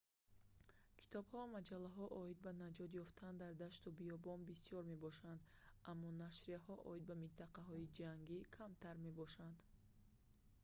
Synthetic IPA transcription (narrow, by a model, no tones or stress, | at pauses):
kʰi̥t̪ʰɔbhɔmad͡ʒalːaɦɔʔɔid̪̚banad͡ʒɔd̪jɔft̪ʰand̪aɾd̪aʃt̪ubijɔbɔnbisiɔɾme̞bɔʃand̪ | ʔamːɔnaʃɾiahɔʔɔ̰id̪̚bamint̪ʰaqaɦɔid͡ʒaŋɡikʰamt̪ʰaɾme̞bɔʃand̪